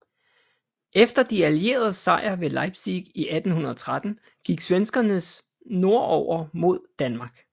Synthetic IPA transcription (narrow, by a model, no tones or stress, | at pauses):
ʔefd̥ɐd̥iælie̝̰ːɐð̞̩ˠsɑ̈ɪ̰ɐʋe̝lɑ̈ɪb̥siɡ̥iʔæd̥n̩hunɐɒt͡sʰʁad̥n̩ | ɡ̥iɡ̥sʋensɡ̥ɐnəs | no̝ɐɒʊ̰ɐmo̝ð̞̰ˠd̥ænmɑ̈ːɡ̥